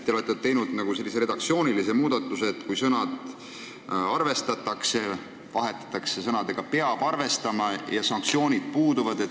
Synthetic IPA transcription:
t̪ːeolet̪ˑːet̪e̞jnud̪̥nɑɡ̥use̞lːise̞ɾe̥ɑk̚tsio̞ːnilise̞muːd̪̥ɑt̪ˑːuseːt̪ːˑkujsɤnɑd̪̥ | ɑrve̞st̪ɑt̪ːˑɑkse̞ | vɑɦe̞t̪ːˑɑ̥t̪ːˑɑkse̞sɤnɑd̪eɡ̥ɑpe̞ɑb̥ɑrve̞st̪ɑmɑjɑsɑŋkt̪sio̞ːnʲid̪̥̚puːd̪uvɑd̪̥e̞t̪

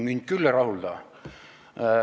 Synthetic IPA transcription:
mind̪̥̚kylːerɑhuld̪ɑː

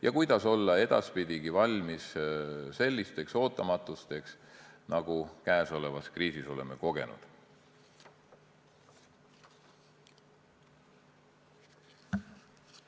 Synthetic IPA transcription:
jʔɑ̰kujd̪̥ɑso̞lːɑe̞d̪̥ɑ̰spid̪̥ʲiɡ̥ivɑlʲmisse̞lʲːist̪e̞kso̞ːt̪ˑːɑmɑt̪ːˑust̪e̞ksnɑɡ̥ukæeso̞le̞vɑskriːsiso̞le̞me̞ko̞ɡ̥e̞̰nṵd̪̥

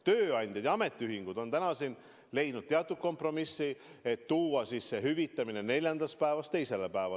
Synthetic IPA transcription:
t̪øːɑnʲd̥̪ʲjɑd̪̥jɑɑme̞t̪ˑːiyɦiŋɡ̥ud̪̥o̞nt̪ænɑsin | le̞jnud̪̥t̪eɑt̪ːˑut̪̚ko̞mpro̞misːie̞t̪ːuːwɑsiːsːe̞ɦyvit̪ːˑɑmine̞ne̞lʲjɑnd̪ɑs̚pæevɑst̪e̞jse̞lepæevɑ̰

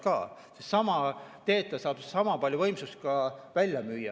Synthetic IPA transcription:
kɑːsessɑmɑt̪e̞ːt̪ːˑɑsɑːb̥sɑmɑpɑlʲjuvɤjmsust̪̚kɑvælʲjɑmyːjːɑ̰

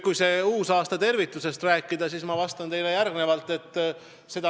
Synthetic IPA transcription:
kujse̞uːsɑːst̪ɑt̪e̞rvit̪ːˑuse̞st̪ræːkːˑid̪̥ɑsiːsmɑvɑst̪ɑnt̪e̞jle̞jærɡne̞vɑlt̪ːˑe̞t̪ːˑ | se̞d̪̥ɑ

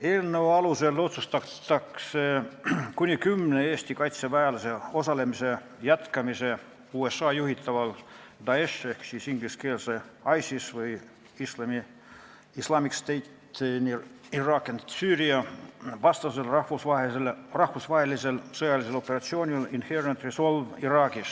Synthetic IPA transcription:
elnːoːɑluselːo̞t̪sust̪ɑt̪ːɑksekunʲikymneeːst̪ikɑjt̪seʋæːlseo̞sɑlemise | jæt̪kɑmise | uːesːɑːjuhit̪ːɑʋɑld̪ɑeʃehksiːsiŋɡliskeːlseɑjsisʋɨj | islɑmi | islɑːmikst̪ejt̪ni | irɑːkɑnsyːriɑʋɑst̪ɑselɑhʋusɑelrɑhfusʋɑheliselsojɑliselo̞pːerɑt̪sioːnʲilinherent̪risolʋirɑːkis

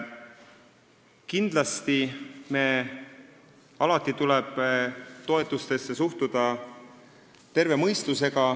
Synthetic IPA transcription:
kind̪̥lɑst̪ime̞ | ɑlɑt̪ˑːit̪uleb̥t̪o̞e̞t̪ːˑust̪e̞sːe̞suht̪ud̪̥ɑ | t̪e̞ɾve̞mɤjst̪use̞ɡ̥ɑ

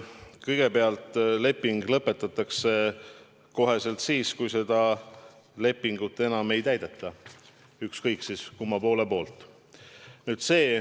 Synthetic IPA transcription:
kɤjɡ̥e̞pe̞ɑlt̪ˑle̞pːiŋɡ̥lɤpːˑe̞t̪ːˑɑt̪ːˑɑkse̞ | ko̞ɦe̞se̞lt̪siːskujse̞d̪̥ɑ | le̞pːiŋɡ̥ut̪ːˑe̞nɑme̞jt̪æjd̪̥et̪ːˑɑ | ykskɤjksiskumːɑpo̞ːle̞po̞ːlt̪ˑ | nyːd̪̥se̞ː

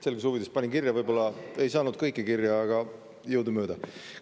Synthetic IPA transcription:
selɡ̥esuvid̪espɑnʲiŋkirjɑvɤjb̥o̞lːɑe̞jsɑːnud̪̥̚kɤjkːˑikirjɑːɡ̥ɑ | jɤwd̪umø̞ːd̪̥ɑ

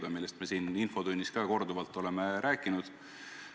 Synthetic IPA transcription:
d̪ɑmilːest̪mesiːninfo̞d̪unʲːiskɑːko̞rd̪uvɑlt̪ːˑo̞le̞me̞ɾæːkːˑinud̪̥

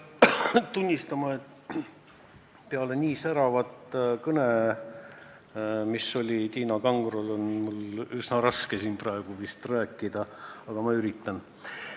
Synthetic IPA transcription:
t̪unʲːist̪ɑmɑe̞t̪ː | peɑlenʲiːsæɾɑvɑt̪kɤne | misːo̞lʲit̪iːnɑkɑŋɡrolo̞nmulysnɑɾɑske̞siːnprɑeɡ̥uvist̪ræːkːˑid̪̥ɑɑɡ̥ɑmɑyɾit̪ːˑɑn

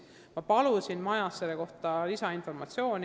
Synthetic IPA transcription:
mɑpɑlusinmɑjɑsːelːeko̞ht̪ɑlisɑinfo̞rmɑt̪sio̞ːnʲ

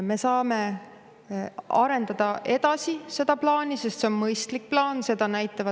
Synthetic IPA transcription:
me̞sɑːme̞ | ɑɾe̞nd̪̥ɑd̪̥ɑʔe̞d̪̥ɑsise̞d̪̥ɑplɑːnise̞st̪se̞o̞nmɤjst̪lik̚plɑːnse̞d̪̥ɑnæjt̪ːˑɑvɑ

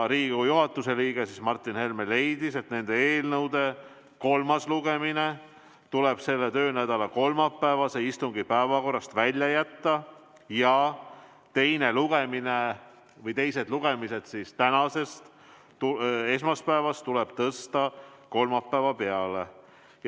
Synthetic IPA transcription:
ɾiːɡujuɦɑt̪ːˑuse̞liːɡ̥esismɑrt̪ːˑinhe̞lmele̞jd̪̥ise̞t̪ne̞nd̪e̞eːlnɤwd̪e̞ | ko̞lmɑsluɡ̥e̞mine̞ | t̪ule̞b̥se̞lːe̞t̪ø̞ːnæd̪̥ɑlɑko̞lmɑpːæevɑseist̪uŋɡipæevɑko̞rːɑst̪vælʲjɑjæt̪ːɑ | jɑ | t̪e̞jne̞luɡ̥e̞mine | vɤjt̪e̞jse̞d̪luɡ̥e̞mise̞d̪̥sist̪ænɑse̞st̪ | ue̞smɑspæevɑst̪t̪uleb̥t̪ɤst̪ɑko̞lmɑpːæevɑpe̞ɑle̞

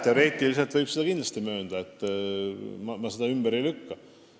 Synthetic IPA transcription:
t̪eo̞ɾe̞ːt̪ːˑilise̞lt̪vɤjb̥sed̪ɑkind̪lɑ̥st̪imø̞ːd̪̥ɑet̪ːˑ | mɑmɑsed̪ɑymb̥eɾejlykːɑ

